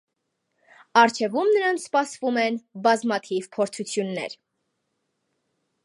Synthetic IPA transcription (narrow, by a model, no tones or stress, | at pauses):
ɑɾt͡ʃʰɛvumnəɾɑnt͡sʰspɑsvumɛnbɑzmɑt̪ʰivpʰɔɾt͡sʰut͡sʰjunːɛ̰ɾ